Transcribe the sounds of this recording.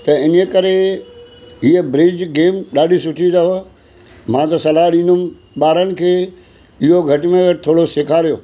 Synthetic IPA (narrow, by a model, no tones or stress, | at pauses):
t̪ɐɪnekɐɾe | iebɾid͡ʑɡeːmɗaːɗisʊʈʰid̪ao | mãːt̪ɐsɐlaːɗĩːndʊm | ɓaːɾənɪ̆kʰeː | ɪɦoɡʱɐʈmẽʋɪt̪ʰoːɽosekʰaːɾijoː